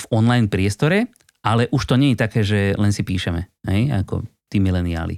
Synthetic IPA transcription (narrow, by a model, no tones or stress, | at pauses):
vɔnlajnpɾɪɛst̪ɔɾɛ | alɛʔuʃt̪ɔɲɛjɛt̪akɛːʒɛlɛnsipiːʃɛmɛɦɛja̰kɔ̰ | t̪iːmilɛnia̰ːlḭ